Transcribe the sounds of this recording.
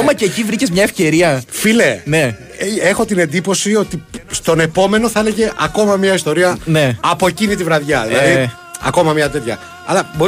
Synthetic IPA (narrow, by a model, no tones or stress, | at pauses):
omɐceːcivɾicezmɲɐe̞fce̞ɾiɐfilene̞ | exo̞t̪ine̞nd̪ipo̞sio̞t̪ist̪o̞ne̞po̞me̞noθɐe̞leʝe̞ʔɐko̞mɐmɲɐist̪o̞ɾiɐneːpo̞ecinit̪ivɾɐðʝɐðilɐði | ɐ̰ko̞mɐmɲɐt̪̬e̞t̪çɐ̰ | ɐ̰lɐbo